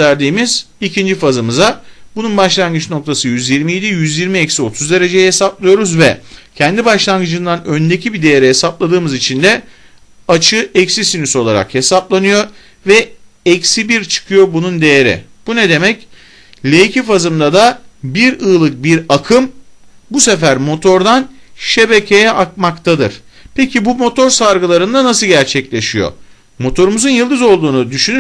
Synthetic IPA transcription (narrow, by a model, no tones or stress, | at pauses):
æɾd̪iːmiz̥ | icʰind͡ʒifazɯmɯzabununbaʃlˠanɡɯt͡ʃno̞k̚t̪ʰasɯjyzjiɾmijed̪ijyzjiɾmiɛcsio̞t̪ʰuzd̪e̞ɾe̞d͡ʒejɛhe̞saplˠɯjo̞ɾuzvɛcʰɛnd̪ibaʃlˠanɡɯd͡ʒɯnd̪anø̞nd̪e̞cʰibid̪e̞jeɾɛɦesaplˠad̪ɯːmɯzit͡ʃʰind̪ɛ | at͡ʃʰɯɛcsisiniso̞lˠaɾa̰khe̞saplˠanɯjo̞ | vɛ | ɛcsibiɾt͡ʃʰɯ̥kʰɯjo̞bunund̪e̞jeɾḭb̥uned̪e̞mɛc | lʲejcifazɯmd̪ad̪abiɾɯːlˠɯk̚biɾakʰɯmbusefæɾmo̞t̪ʰo̞ɾd̪anʃe̞be̞cʰe̞jɛʔak̚makt̪ʰad̪ɯɾ̥pʰecʰibumo̞t̪ʰo̞ɾsaɾɡɯlˠaɾɯnd̪anasɯɟæɾt͡ʃʰɛclʲe̞ʃijo̞̰ | mo̞t̪ʰo̞ɾumuzunjɯlˠd̪ɯzo̞lˠd̪uːnud̪yʃyny